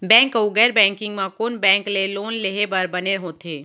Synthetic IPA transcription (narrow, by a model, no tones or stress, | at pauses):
bɛ̃ːŋkoɡɛːɾbɛ̃ːŋkɪ̃ŋɡmãkoːnbɛ̃ːŋkleloːnleɦebɐɾbɐneɦõːt̪ʰeː